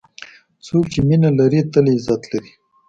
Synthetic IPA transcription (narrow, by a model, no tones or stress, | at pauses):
t͡sokt͡ʃeminalaɾit̪əlezat̪laɾi